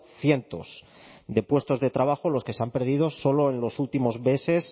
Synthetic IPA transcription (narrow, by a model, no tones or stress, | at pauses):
θjent̪o̞̰s | d̪e̞pwe̞st̪o̞zðe̞t̪ɾaβaxolo̞ske̞seampe̞ɾð̞ið̞o̞so̞lo̞enlo̞sult̪imo̞zβe̞se̞s